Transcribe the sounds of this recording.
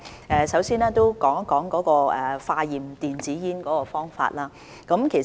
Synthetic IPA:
ɛː˨˧sɐ˨˥wsiː˥nɛː˥t̪o˥wkɔː˨˥ŋkɔː˨˥ŋkɔː˨˥kɔː˧ɛ˨˩faː˧jiː˨˩mt̪iː˨nt͡siː˨˥jiː˥nkɔː˨˥kɔː˧fɔː˥ŋfa̰ː˧t̚laː˥ | kɐ˨˥mkʰe˨˩

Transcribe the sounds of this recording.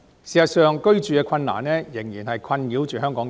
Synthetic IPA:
siː˨˩sɐ˨t̚sœː˨˧ŋkɵ˥ɥt͡ʃyː˨kɛː˧kʰɐ˧nna̰ː˨˩nɛː˥jɪ˨˩ŋjiː˨˩nhɐ˨jkʰwɐ˧njiː˨˥wt͡ʃyː˨ɦœː˥ŋkɔː˨˥ŋ

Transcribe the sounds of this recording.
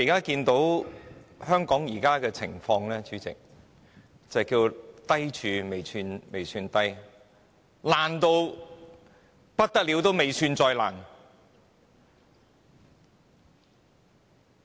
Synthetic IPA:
kaː˥kiː˧nt̪o˨˥w | hœː˥ŋkɔː˨˥ŋjiː˨˩kaː˥kɛː˧t͡sʰɪ̰˨˩ŋfɔː˧ŋlɛː˥t͡ʃyː˨˥t͡sɪ̰˨k̚ | t͡sɐ˨kiː˧wt̪ɐ˥jt͡ʃʰyː˨˧me˨˩jsʰyː˧nme˨˩jsyː˧nt̪ɐ˥j | laː˨˩nt̪o˧w | pɐ˥t̚t̪ːɐ˥k̚li˨˧˥wt̪o˥wme˨jsʰyː˧nt͡sɔː˧jla̰ː˨˩n

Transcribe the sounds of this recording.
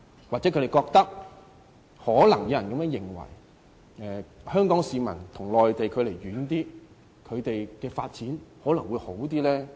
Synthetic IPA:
waː˨t͡sɛ˨˥kʰɵ˧t̪e˨jkɔː˧k̚t̪ɐ˥k̚ | hɔː˨˥lɐ˨˩ŋjjɐ˨˩nkɐ˧mɛː˧˥ŋjɪ˨˩ŋwɐ̰˨˩j | ɛː˨hœː˥ŋkɔː˨˥ŋsiː˨mɐ̰˨˩nt̪ʰʊ˨˩ŋlɔː˨jt̪e˨jkʰɵ˨˧ɥle˨˩jɥyː˨˥nt̪iː˥ | kʰɵ˨˧ɥt̪e˨jkɛː˧fa̰ː˧t̚t͡siː˨˥nhɔː˨˥lɐ˨˩ŋwuː˨˧jho˨˥wt̪̬iː˥lɛː˥

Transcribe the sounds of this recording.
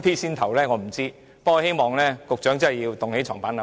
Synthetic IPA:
t̪ʰiː˥siː˥nt̪ʰɐ˨˩wlɛː˥ŋɔː˨˧m̩˨˩t͡siː˥ | pkːɔ˧he˥jmɔː˨ŋlɛː˥kʊ˨k̚t͡ʃœː˨˥ŋt͡sɐ˥hɐ˨jːiː˧wt̪ʊ˨ŋhe˨˥jt͡ʃʰɔː˨˩ŋpaː˨˥nɐ˨

